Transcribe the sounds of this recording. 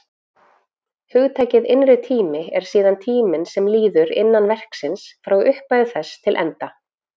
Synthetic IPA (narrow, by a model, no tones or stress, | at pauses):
hʏɣt̪ʰaːjcɪðɪnɾɪt̪ʰiːmɪɛɾ̥siːðant̪ʰiːmɪnsɛmliːðʏɾɪ̰nːanvɛr̥ksɪnsfɾawʏhpajðθɛst̪ʰɪlʔɛ̰nt̪a